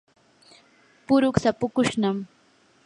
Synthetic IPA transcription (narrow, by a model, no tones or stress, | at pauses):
pʊɾʊksapʊkʊʃnam